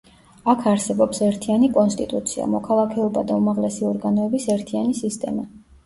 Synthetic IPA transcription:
akʰaɾsɛbɔpsɛɾt̪ʰianikʼɔnst̪ʼit̪ʼut̪sʰia̰mɔkʰalˠakʰɛɔbad̪aumaʁlɛsiɔɾɡanɔɛbisɛɾt̪ʰianisist̪ʼɛ̰ma

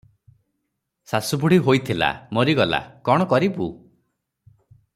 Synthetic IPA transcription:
sasubuɽ̤iɦojt̪ʰila̰moɾiɡɔla̰kɔɽ̃ɔkɔɾibu

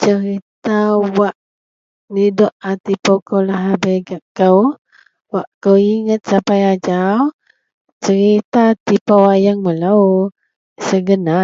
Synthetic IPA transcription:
t͡ʃəɾit̪awaʔ | nidɔʔat̪ipawkəwlaɦabəjɡaʔkəw | waʔkəwiŋət̪̚sapajad͡ʒaw | t͡ʃəɾit̪at̪ipawajaŋməlaw | səɡəna

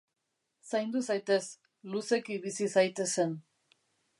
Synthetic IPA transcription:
sajnd̪usajt̪e̞s | luse̞kiβisisajt̪e̞se̞n

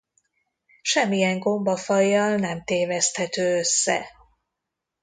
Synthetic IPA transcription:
ʃɛmːijɛŋɡo̞mbɒfɒjːɒlnɛmt̪eːvɛst̪hɛt̪øːøsːɛ̰

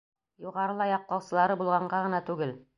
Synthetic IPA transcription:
juʁɑɾɤlˠɑjɑq̚t̪ˠɑwsɤ̆lˠɑɾɤbulˠʁɑɴɢɑʁɤ̆nɑt̪ʉɡɘl

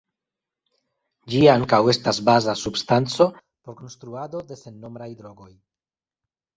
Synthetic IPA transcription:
d͡ʒiaŋkawe̞stasbazasubstant͡so̞ | po̞ɾko̞nst̪ɾuad̪o̞d̪e̞se̞nːo̞mbɾajd̪ɾo̞ɡo̞j

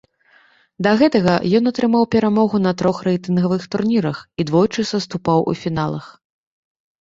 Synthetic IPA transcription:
d̪ɐɣɛt̪ɐɣɐjɔnɐt̪ɾɨmawpʲɛɾamɔɣunɐt̪ɾɔxrɛjt̪ɨnɣɐvɨxt̪urnʲiɾɐxid̪vɔjt͡ʂɨsɐst̪upawʔṵfʲinalˠɐ̰x

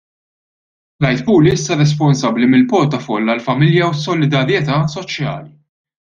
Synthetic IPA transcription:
lɐjt̪puːliɪsːɐɾɛs̬pɔnsɐbːlimɪlpɔɾt̪ɐfɔlːɐlfɐmɪljɐwsːɔlɪd̪ɐɾjɛt̪ɐsɔt͡ʃjɐ̰ːli

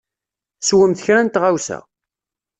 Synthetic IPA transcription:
swəmθəçɾænt̪ʁawsæ̰

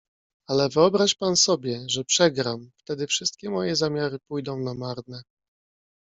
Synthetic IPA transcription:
alɛvɘɔbɾaɕpansɔbʲjɛʐɛpʂɛɡɾamft̪ɛd̪ɘfʂɘst̪̚kʲɛmɔjɛzamʲjaɾɘpujd̪ɔ̃w̃namaɾd̪nɛ

